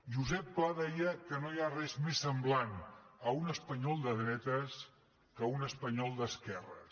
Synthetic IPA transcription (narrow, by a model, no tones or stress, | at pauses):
ʒuzɛpːlaðɛjəkənojarɛzmesːəmblanəunəspəɲɔlˠd̪əð̞ɾɛt̪əs | kəunəspəɲɔlˠd̪əskɛrə̰